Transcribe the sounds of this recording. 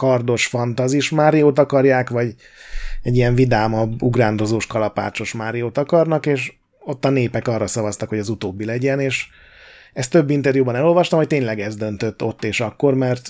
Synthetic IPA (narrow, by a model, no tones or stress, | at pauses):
kɒrd̪o̞ʃfɒnt̪ɒziʃmaːɾijoːt̪ɒkɒrjaːkʋɒɟ | ɛɟːijɛɱvid̪aːmɒbuɡraːnd̪o̞zoːʃkɒlɒpa̰ːt͡ʃo̞ʃmaːɾijoːt̪ɒkɒrnɒkeːʃ | o̞t̪ːɒneːpɛkɒːrːɒsɒvɒst̪ɒkho̞ɟɒzut̪oːbːilɛɟɛneːʃ | ɛst̪ːø̞bːint̪ɛrjubɒnɛlo̞lvɒʃt̪ɒmhoc̚t̪eːɲlɛɡɛzd̪ø̞nt̪ø̞t̪ːo̞t̪ːeːʃɒkːo̞rmɛrt̪